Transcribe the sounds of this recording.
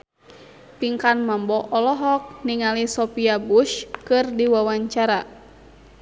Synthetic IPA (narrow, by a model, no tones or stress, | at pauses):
piŋkanmambɔʔɔlɔɦɔk̚niŋalisɔpiabuʃkɨrdiwawaɲt͡ʃaɾa